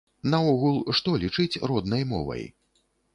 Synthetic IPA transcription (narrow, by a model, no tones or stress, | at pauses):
nɐɔɣulˠʂt̪ɔlʲit͡ʂɨt͡sʲrɔd̪nɐjmɔ̰vɐ̰j